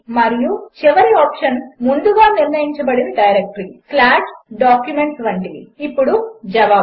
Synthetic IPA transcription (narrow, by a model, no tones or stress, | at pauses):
mɐɾijut͡ʃiʋɐɾiɔːpʂɐnmund̪uɡaːniɾnɐjiɲt͡ʃɐbɐɽinɐɖɐjɐɾek̚ʈɾiplaːʈɖaːkjume̞ɳʈsʋɐɳʈid̪ḭːpːuɽud͡ʒɐʋaː